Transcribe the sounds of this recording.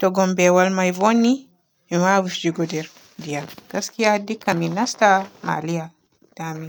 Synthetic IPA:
tɔɡɔmbɛwalmajvɔnːi | miwawifd͡ʒiɡɔdɛɾ | dijaɡ̥askijadikːaminastama̰lija | tami

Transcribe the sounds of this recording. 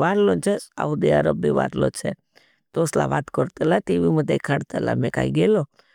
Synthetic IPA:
ʋaːɾlont͡ʃʰesa̰ʋud̪eəɾəbːiʋa̰ɾlo̰t͡ʃʰe | t̪osla̰ʋaːt̪kɔɾt̪əlat̪eʋimət̪ːekʰaɽt̪əla̰mɛ̃ka̰iɡelo

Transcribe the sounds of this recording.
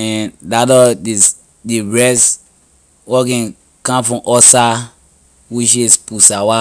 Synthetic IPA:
ɛ̃dadɔdi | diɹɛs | wɔkɛ̃ | kãmfɹɔ̃ʔɔsa | wuʃ̬espusawa

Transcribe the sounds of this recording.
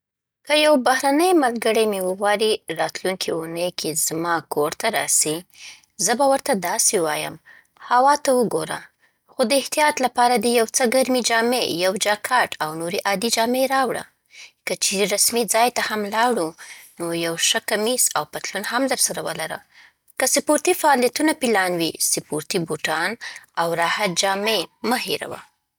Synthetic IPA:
kəjawbahɾanəjmalɡəɽəmewəɣwɑɾiɾɑt̪luŋkʰiunəjkʰezmɑkoɾt̪aɾɑ̰si | zəbawəɾt̪ad̪ɑsewɑjə̰m | hawɑt̪awəɡoɾa̰ | xod̪əɪht̪ijɑt̪lapɑɾad̪əjawt͡səɡaɾmid͡ʒɑmejawd͡ʒakʰɑʈawnoɾiʔɑd̪id͡ʒɑmeɾɑwɽa̰ | kət͡ʃeɾiɾasmid͡zɑjt̪ahamlɑɽunojawʃəkamisawpat̪lunhamd̪əɾsaɾawəlaɾə̰ | kəsɪpoɾt̪ifaːljat̪unapilɑnwisɪpoɾt̪iboʈɑnawɾɑhat̪̚d͡ʒɑmeməheɾa̰wa̰

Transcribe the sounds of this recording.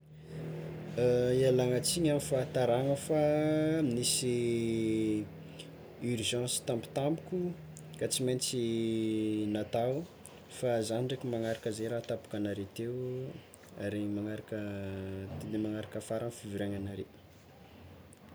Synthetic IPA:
ialaŋət͡siɲamifat̪aɾaŋəfaminisi | yrʒɑ̃si̥t̪ãmpi̥t̪ambukʲu | kat͡siment͡si | nat̪aw | fazaniɳɖ͡ʐekimaŋaɾakəzejɾat̪apu̥kanaɾet̪ew | a̰ɾeimaŋaɾakət̪ed̪emaŋaɾakəfaɾanfivuɾeɲanaɾe

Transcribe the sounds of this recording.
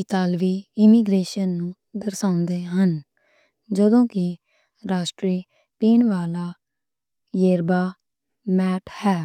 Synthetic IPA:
it̪aːlʋiːɪmiːɡɾeːʃənːũː | d̪əɾsaːʊ̃nd̪eːɦən | d͡ʒəd̪õːkɪ | ɾaːʃʈɾiː | piːnʋaːlaː | jeːɾbaː | mɛːʈʰhɛː

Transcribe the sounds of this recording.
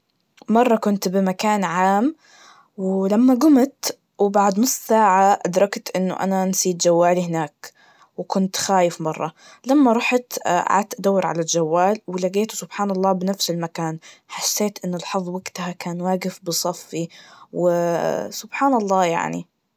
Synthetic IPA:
mɑrˤːɑkʊnt̪bɪmakaːnʕaːm | wɪlamːaɡʊmt̪ | wbaʕd̪nʊsˤːsaːʕaʔad̪ɾˤɑkt̪ʔɪnːʊ̰ʔa̰nansiːd̪d͡ʒawːaːlihɪnaːk | wɪkʊnt̪xaːjɪfmɑrˤːɑ | lamːaɾˤɑħt̪ʕa̰ːt̪ʔad̪awːɪɾʕa̰lald͡ʒawːaːlwɪlaɡeːt̪u̥sʊbħaːnɑlˤːɑːbɪnafsɪlmakaːnħasːeːt̪ʔɪnːʊlħɑðˤwaɡt̪ahakaːnwaːɡɪfbɨsˤɑfːiwɪsʊb̥ħaːnɑlˤːɑːja̰ʕnḭ

